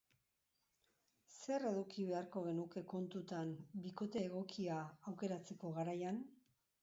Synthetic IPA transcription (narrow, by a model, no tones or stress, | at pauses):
se̞ɾe̞ðukiβe̞aɾko̞ɣe̞nuke̞ko̞nt̪ut̪ambiko̞t̪e̞ːɣ̞o̞kiaːwke̞ɾat͡se̞ko̞ɣaɾajan